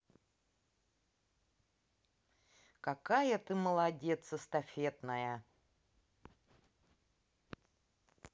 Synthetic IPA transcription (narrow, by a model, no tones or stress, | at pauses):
kɐkajət̪ɨməlˠɐdʲet̪səst̪ɐfʲet̪nəjə